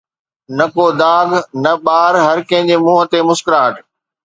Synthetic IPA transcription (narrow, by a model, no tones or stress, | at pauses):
nɐkoːd̪aːɡnɐɓaːɾɦɐɾkɐ̃ɪ̃d͡ʑeːmũːɦət̪emʊskɪɾaːʈ